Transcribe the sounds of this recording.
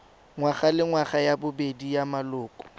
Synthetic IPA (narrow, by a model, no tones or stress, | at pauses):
ŋwaχalɪŋwaχajabʊbedijamalʊːkʼɔ̥